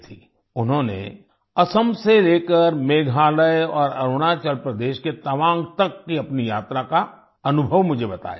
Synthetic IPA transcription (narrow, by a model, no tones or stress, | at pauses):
t̪ʰiː | ʊnɦõnḛ | ɐsəmseleːkəɾmeːɡʱaːləjɔːɾɐɾʊɽ̃at͡ʃəlpɾəd̪eːʃket̪ɐʋãːŋɡ̚t̪ɐkːiɐpnijaːt̪ɾaka | ɐnʊbʱəʋmʊd͡ʒʱebɐt̪a̰ːja